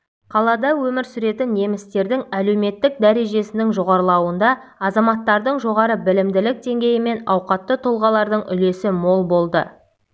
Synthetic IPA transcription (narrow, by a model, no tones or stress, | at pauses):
qʰɑlˠɑd̪ɑwɵmɪɾsʏɾe̞t̪ɪnːe̞mɪst̪e̞ɾd̪ɪŋæle̞wme̞t̪ːɪk̚d̪æɾe̞ʒe̞sɪnɪŋʒo̞ʁɑɾlˠɑwənd̪ɑ | ɑzɑmɑt̪ːɑɾd̪əɴʒo̞ʁɑɾəbɪlɪmd̪ɪlɪk̚d̪e̞ŋɡʲe̞jɪme̞nɑwqɑt̪ːət̪ʰolˠʁɑlˠɑɾd̪əɴʏ̰le̞sɪmo̞lˠbo̞lˠd̪ə̰